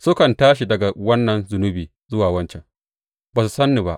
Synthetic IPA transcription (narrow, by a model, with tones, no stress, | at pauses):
sʊ˦kɐ˨ntaː˦ʃi˨dɐ˨ɡa˨wɐ˦nːɐ˨nzʊ˨nʊ˦biː˨ | zʊ˦waː˨wɐ˦nt͡ʃɛ˨ŋ | baː˨su˨sɐ˦nːi˨ba̰˦ʔ